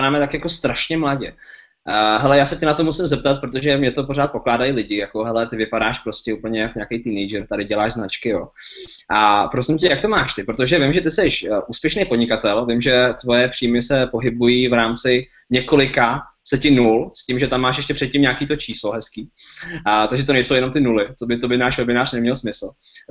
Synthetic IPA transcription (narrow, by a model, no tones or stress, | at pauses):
aɾaːmɛt̪akjako̞st̪ɾaʃɲɛmlaɟɛ | ɦɛlɛjaːsɛcɛnat̪o̞musɪmzɛp̚t̪at̪̚pɾot̪̬oʒɛmɲɛt̪o̞po̞raːt̪̚po̞klaːdajilɪɟɪjako̞ɦɛlɛt̪ɪvɪpadaːʃpɾo̞scɛuːpl̩ɲɛjakoɲaːkɛjt̪iːnɛjd͡ʒɛɾt̪adɪɟɛlaːʃznat͡ʃkɪjoʔapɾosɪmcɛjakt̪o̞maːʃt̪ɪpɾot̪oʒɛvɪmʒɛt̪ɪsɛʃʔuːspjɛʃnejpodɲɪkat̪ɛlvɪmʒɛt̪vo̞jɛpr̥iːmɪsɛpo̞ɦɪbujiːvɾaːmt͡sɪ | ɲɛko̞lɪka | sɛcɪnulscɪmʒɛt̪amːaːʃjɛʃcɛpr̥ɛt̪̚cɪmɲaːkiːt̪o̞t͡ʃʰiːslo̞ɦɛskiː | t̪aɡʒɛt̪onɛjsowjɛnomt̪ɪnulɪt̪obɪt̪obɪnaːʃvɛbɪnaːrnɛmɲɛlsmɪsl̩